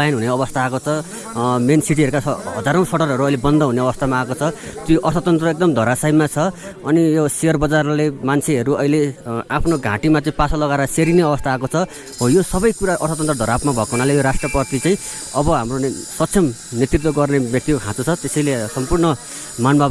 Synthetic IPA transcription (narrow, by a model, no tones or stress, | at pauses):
ajnɦuneʌβʌst̪ʰaːkot͡sʰʌ | mensiʈ̬iɦʌɾukaɦʌd͡zaɾʌ̃w̃sʌɽʌrɦʌɾuʌjlebʌnd̪ʌɦuneʌbʌst̪ʰamaakot͡sʰʌt̪joʔʌrt̪ʰt̪ʌnt̪rʌek̚d̪ʌmd̪ʱʌɾasajmat͡sʰʌːnijosejʌrbʌd͡zarlemant͡sʰeɦʌɾuʌijleapʰnoɡʱã̰ʈimat͡saĩpasʌlʌɡaɾʌseɾineʌbʌst̪ʰaːkot͡sʰʌ | ɦojosʌbʌjkuɾaʔʌrt̪ʰt̪ʌnt̪rʌd̪ʱʌɾapmabʱʌekoɦunalejoɾasʈrʌpʌt̪it͡saĩ | ʌbʌɦamrosʌt̪sʰjʌmnet̪rit̪̬wʌɡʌrnebjʌk̚t̪ikokʰãt͡sut͡sʰʌt̪esʌjlesʌmpurnʌ | manbʱab